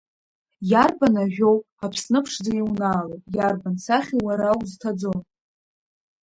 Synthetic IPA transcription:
jarbanaʒᶣo̞w | apʰsnɨpʰʂd͡zaiwnaːlopʼjarbansaχʲiwaɾawztʰad͡zo̞n

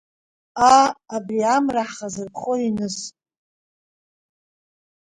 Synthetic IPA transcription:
aːbriamraħχazɨrpʰχoinɨs

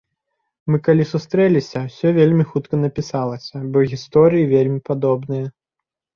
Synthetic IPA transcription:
mɨkalʲisust̪ɾɛlʲisʲɐwsʲɔvʲelʲmʲixut̪kɐnɐpʲisalˠɐsʲɐbɔɣʲist̪ɔɾɨjivʲelʲmʲipad̪ɔbnɨjɐ

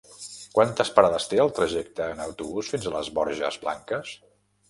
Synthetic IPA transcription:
kwant̪əspəɾaðəst̪eəlˠt̪ɾəʒɛk̚t̪əːnəwt̪uβusfinzələ̰zβɔɾʒə̰zβla̰ŋkəs

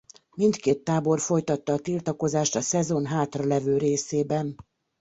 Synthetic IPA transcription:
mint̪keːt̪ːaːbo̞rfo̞jt̪ɒt̪ːɒːt̪ilt̪ɒko̞zaːʃt̪ɒsɛzo̞nɦaːt̪rɒlɛvøːɾeːseːbɛn

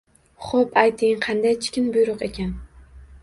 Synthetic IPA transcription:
χopajt̪ʰɪŋqʰɑnd̪ajt͡ʃʰɪ̥kʲɪnbʊjɾʊqe̞kʲʰan

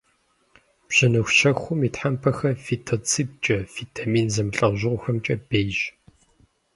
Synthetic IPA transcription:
b̥ʑ̥ɐnɨxʷʃɐxʷʊmiːtħampʰɐxɐfitʰot͡sʰiːp̚t͡ʃʼɐfitʰamiːnzɐmɬʼɐʁʑɨʁʷʊxɐmt͡ʃʼɐbejʒ

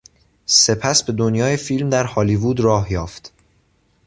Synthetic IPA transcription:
se̞pʰæsbe̞d̪o̞njɒːjefilmd̪æɾhɒliːvuːd̪ɾɒːɦjɒːft̪

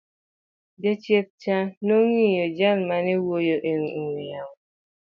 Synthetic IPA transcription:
d͡ʒet͡ʃiep̚t͡ʃanoŋijod͡ʒammanewojoʔeŋiŋejaŋ

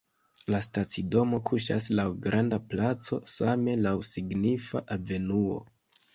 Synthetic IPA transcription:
lastat͡sido̞mo̞kʰuʃa̰slawɡɾʔandaplat͡so̞̰same̞lawsiɡnifa̰ʔave̞nuo̞̰

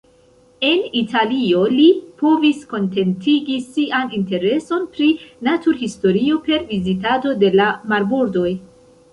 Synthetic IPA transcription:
e̞nitʰalio̞lipo̞visko̞nte̞ntiɡisiʔaninte̞ɾe̞so̞npɾinatuɾhisto̞ɾio̞pe̞ɾvizitado̞de̞lamaɾbuɾdo̞j

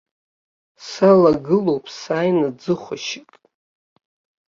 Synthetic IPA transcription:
salaɡɨlo̞wpʼsaːjnɨd͡zɨχʷaʃɪkʼ

